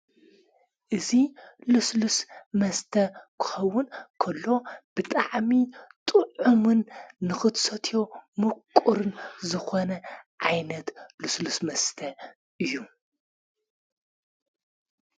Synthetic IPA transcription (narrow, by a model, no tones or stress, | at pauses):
ʔɨziluslusmɐst̪ʰɐkʰɨ̥xɐwːʊnkʰɐlːo̞b̥ɨt̪ʼaʕmit̪ʼɨʕumɨnːɨxɨt̪sɐt̪ʰjo̞mɨkʼːuɾɨnzɨxonɐʕajnɐt̪luslusmɐst̪ʰɐ | ʔɨjːu